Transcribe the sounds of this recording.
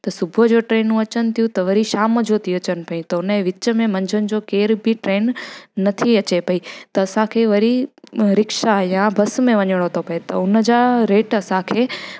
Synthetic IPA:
t̪ɐsʊbʱəd͡ʑoʈɾeːnɦũɐt͡ɕənɪ̆t̪ʰijũt̪ɐʋɐɾiʃaːmd͡ʑot̪ʰiɐt͡ɕənɪ̆pɐĩt̪ɐʊnẽʋɪt͡ɕəmẽmɐ̃ɲd͡ʑʱənɪ̆d͡ʑoːkeːɾbʱiʈɾeːnːɐt̪ʰiɐt͡ɕepɐit̪ɐɐsãkʰeːʋɐɾiɾɪkʃajabʱɐsmẽʋɐɲəɽ̃ot̪ʰopɐet̪ɐʊnəd͡ʑaːɾeːʈɐsãkʰeː

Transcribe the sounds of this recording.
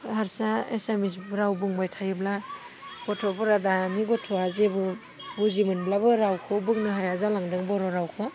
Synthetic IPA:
haɾsaḛsemisbɾawbɯŋbajtʰajɯbla | ɡ̥ɔtʰɔpɔɾadamiɡɔtʰɔazebɯ | buzimɯnblabɯɾawkʰɔbɯŋnɯɦajazalaŋdɯŋbɔɾɔɾawkʰɔ

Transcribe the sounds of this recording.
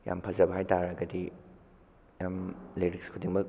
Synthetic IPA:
ja̰mpʰɐzɐbɐɦajtaɾɐɡɐdi | jamleɾikskʰudiŋmɐk̚

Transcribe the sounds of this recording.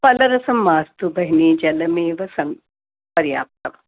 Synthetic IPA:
pɐlɐɾɐsɐmːaːst̪ubɐɦiniːd͡ʒɐlɐmeːʋɐsɐŋ | pɐɾja̰ːp̚t̪ɐm

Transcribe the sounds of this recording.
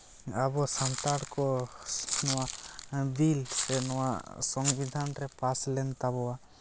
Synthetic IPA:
abɔsant̪aɽkɔ | nɔwabilɛnɔwa̰sɔŋbid̪ʱanɾɛpaslɛnt̪abɔwa

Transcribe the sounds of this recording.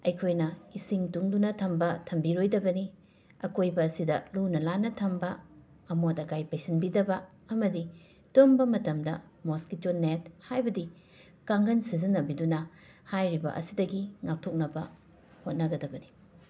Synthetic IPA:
ɐjkʰojnɐisiŋtuŋdunɐtʰɐmbɐtʰɐmbiɾojdɐbɐni | ɐkojbɐːsidɐlunɐlanɐtʰɐmbɐː | motɐkajpajsinbidɐbɐ | ɐmɐdi | tombɐmɐtɐmdɐmoskitolnet̚hajbɐdi | kaŋɡɐnsizinːɐbidunɐhajɾibɐ̰ʔɐ̰sidɐɡiŋak̚tʰok̚nɐbɐ | hot̚nɐɡɐdɐbɐni

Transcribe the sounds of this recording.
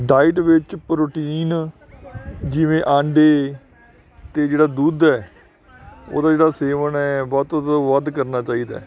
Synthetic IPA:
ɖaːɪʈʋɪt͡ʃpɾoːʈiːn | d͡ʒɪʋẽːʔãːɳɖeː | t̪eːd͡ʒeːɽaːd̪uːd̪ɛː | o̰ːd̪aːd͡ʒeːɽaːseːʋənɛːbɔːt̪ːt̪oʋəd̪kəɾnaːt͡ʃaːiːd̪a̰ː

